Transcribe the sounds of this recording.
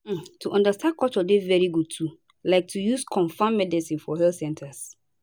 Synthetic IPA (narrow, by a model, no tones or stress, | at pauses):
tʰuʔɔ̃ndastʰãn̚kʰɔt͡ʃɔdevɛɹiɡud̚tʰu | laɪk̚tʰujuskʰɔ̃nfãmːɛdɛsĩnfɔhɛltsɛ̃ntʰas